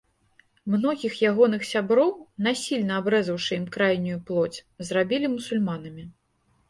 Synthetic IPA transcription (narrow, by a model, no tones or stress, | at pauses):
mnɔɣʲixjaɣɔnɨxsʲabɾɔwn̪asʲilʲnɐabɾɛzɐwʂɨimkɾajnʲujuplˠɔt͡sʲzrabʲilʲimusulʲmanɐmʲi